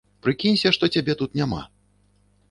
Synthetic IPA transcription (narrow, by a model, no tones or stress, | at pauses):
pɾɨkʲinʲsʲɐʂt̪ɔt͡sʲabʲɛt̪ut̪nʲama̰